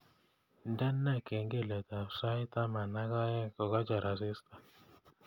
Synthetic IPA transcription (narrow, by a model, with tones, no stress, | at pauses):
ndɛ˦nːa˦˨ke˨ŋɡe˦˨lɛ˨t̪a˨sa˦ɪ˦t̪a˦ma˨na˦ɡɔ˦jɛ˦kɔ˨ɡɔ˦d͡ʒɔ˨ɾa˨sɪ˦st̪a˨